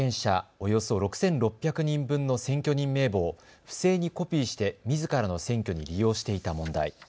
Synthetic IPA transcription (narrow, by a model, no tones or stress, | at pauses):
ẽ̞ɰ̃ɕa̰o̞jo̞so̞ɾo̞kɯ̟̥sẽ̞nɾo̞pʲːjakɯ̟ɲ̟ĩmbɯ̟̃nːo̞sẽ̞ŋkʲo̞ɲ̟ĩmːe̞ːbo̞ː | ɸɯ̟̥se̞ːɲ̟iko̞pʲiːɕi̥t̪e̞mʲizɨkaɾano̞sẽ̞ŋkʲo̞ɲ̟ḭɾʲijo̞ːɕi̥t̪e̞it̪amõ̞nd̪a̰i